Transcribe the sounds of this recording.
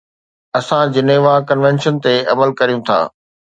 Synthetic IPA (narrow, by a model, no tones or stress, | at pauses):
ɐsãd͡ʑɪneːʋakɐnʋɛ̃nʃənt̪eɐməlkɐɾijũt̪ʰa̰ː